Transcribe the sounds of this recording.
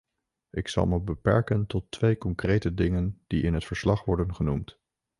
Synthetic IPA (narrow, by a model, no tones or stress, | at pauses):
ʔɪksɑ̰lˠməbəpɛɹkəntɔtːʋejkɔŋkrejtədɪŋənd̥iʔɪnɦətfəɹslɑχʋɔɹdənχənumt